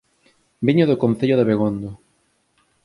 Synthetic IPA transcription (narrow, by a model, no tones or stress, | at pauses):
biɲoðokon̟θeʎoðeβeɣond̪o